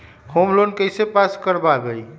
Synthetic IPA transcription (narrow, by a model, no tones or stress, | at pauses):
homlonkəjsepaskəɾbabej